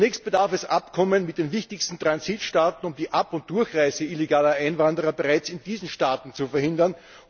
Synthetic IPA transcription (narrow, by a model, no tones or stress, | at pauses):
nɛːçst̚b̥ədaɐfɛsʔa̰pkʰɔmənmɪt̚d̥eːnvɪçtɪçstn̩tʁ̥anziːtʃtaːtn̩ʊmd̥iːʔapʊnt̚d̥ʊɐçʁaɪzəʔɪleɡaːlɐʔaɪnvandəʁɐbeʁaɪt͡sɪnd̥iːzn̩ʃtaːtn̩t͡sufɛɐhɪndɐn